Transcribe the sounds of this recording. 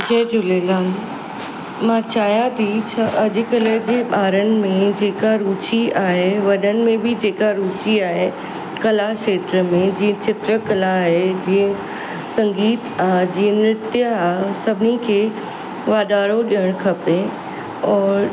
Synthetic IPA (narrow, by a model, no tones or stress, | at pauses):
d͡ʑeːd͡ʑʊleːlaː | mãt͡ɕaːɦijãt̪ʰit͡ɕʰaʔɐʄkɐləd͡ʑeːɓaːɾənɪ̆mẽd͡ʑeːkaɾuːt͡ɕiaːɦeʋɐɗənɪ̆mẽbɪd͡ʑeːkaɾuːt͡ɕiaːɦe | kɐlaʃeːt̪ɾəmẽd͡ʑĩːə̃t͡ɕɪt̪ɾəkɐlaːɦed͡ʑiːə̃ | sɐ̃ŋɡiːt̪aːd͡ʑiːə̃nɪt̪jəaːsɐbʱɪnikʰeː | ʋaːd̪aːɽoɗijəɽ̃kʰɐpe | ɔːɾ